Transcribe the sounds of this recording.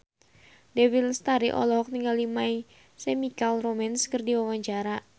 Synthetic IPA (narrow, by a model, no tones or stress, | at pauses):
dɛwilst̪aɾiʔɔ̰lɔɦɔk̚niŋɡalimai | sɛmikalromɛnskɨrdiwawaɲt͡ʃaɾa